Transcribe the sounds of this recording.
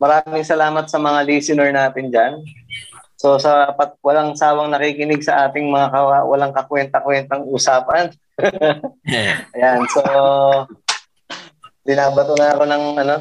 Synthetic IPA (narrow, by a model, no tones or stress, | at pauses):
mɐɾaːmɪŋsɐlaːmɐt̪̚sɐmɐŋaliːsɪnɛɹnaːt̪ɪnd͡ʒan | so̞sɐpɐt̪̚wɐlaŋsaːwɐŋnɐkikɪnɪɡ̚sɐʔaːt̪ɪŋmɐŋakɐwɐlaŋkɐkwɛnt̪ɐkwɛnt̪ɐŋuːsaːpɐn | ɐjanso | bɪnaːbɐt̪onɐʔɐko̞nɐŋʔɐno̞